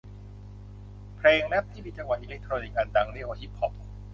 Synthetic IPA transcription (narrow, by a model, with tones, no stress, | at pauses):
pʰɾeː˧ŋmɛ˦˥p̚t̪ʰiː˥˩miː˧t͡ɕa˧ŋwa˨˩t̪ʔi˧le˦˥k̚t̪ʰɾoː˧ni˦˧kʔa˧nd̪a˧ŋli˦˥ʔoː˧hi˦˥p̚ʰːɔ˦˥p̚